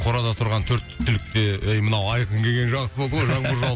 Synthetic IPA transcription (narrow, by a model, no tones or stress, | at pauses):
qʰo̞ɾɑd̪ɑt̪ʰʊɾʁɑnt̪ʰɵɾt̪t̪ʰːʏlɪk̚t̪e̞ejmənɑwɑjqəŋkʲʰe̞ɡʲe̞nʒɑʁsəbo̞lˠd̪əʁojʒɑɴbəɾʒɑ